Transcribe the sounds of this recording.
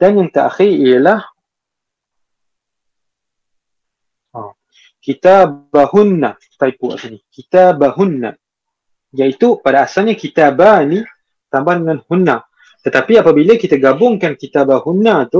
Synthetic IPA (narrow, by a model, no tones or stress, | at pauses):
d̥anjaŋt̪aʔa̰xiijəlah | ɔ | kit̪abahunːa | t̪aipua̰ʔsinikit̪abaɦunːa̰ | jaʔit̪upadaːsalɲakit̪abani | t̪ambahdəŋanhunːa | t̪ət̪apiapabiləkit̪aɡabʊŋkankit̪abahunːat̪ʊ